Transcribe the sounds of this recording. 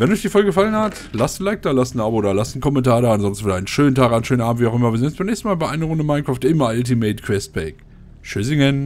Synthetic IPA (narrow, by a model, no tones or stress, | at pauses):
vɛnɔçd̥iːfɔlɡəɡəfalənhat | lastn̩laɪk̚d̥aːlastn̩ʔaːbodaːlastn̩kʰɔmɛntaːɐdaːanzɔnsn̩fɪdaɪnənʃøːntʰaːkanʃøːnʔaːbm̩tv̥iːaʊxʔɪmɐviɐzɪnsbaɪnɛçstn̩maːlbaɪʔaɪnəʁʊndəmaɪnkʁ̥aːftɪmaltimeɪtkʰv̥ɛst̚b̥ɛɪk | ʃʏzɪŋɛn